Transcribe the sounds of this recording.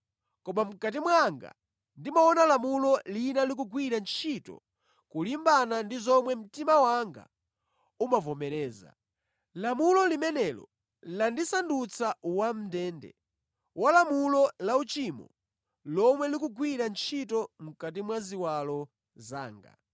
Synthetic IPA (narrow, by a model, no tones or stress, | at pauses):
kɔmam̩kat̬imwaŋɡa̰ | ndimaɔnalamulɔlinalik̬uɡwiɾant͡ʃʰitɔ̰ | kulimbanandizɔmwɛm̩timawaŋɡa̰ | umavɔmɛɾɛːza̰ | lamulɔlimɛnɛlɔ̰ | landisandut͡sʰauwam̩ndɛːndɛ̰ | walamulɔlaut͡ʃimɔ̰ | lɔmwɛlik̬uɡwiɾant͡ʃʰitɔm̩kat̬imwaziwalɔ | za̰ːŋɡa̰